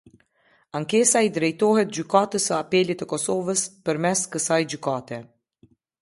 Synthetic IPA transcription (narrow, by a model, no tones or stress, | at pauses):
aŋkɛsaid̪ɾɛjt̪ɔɦɛt̪̚d͡ʑykat̪əsəapɛlit̪əkɔsɔvəspəɾmɛskəsajd͡ʑykat̪ɛ